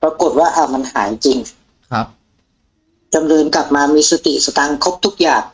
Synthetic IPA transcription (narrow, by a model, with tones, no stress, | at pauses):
pɾa˧ku˨˩t̪̚waː˥˩ʔa˧˩ma˧nɦa̰ː˩˦jt͡ɕi˧ŋ˦ | t͡ɕa˧mnɤː˧nkla˨˩p̚maː˧miː˧sa˧t̪ḭ˨˩sa˧t̪a˧ŋkʰo˦˥p̚t̪ʰu˦˥k̚jaː˨˩ŋ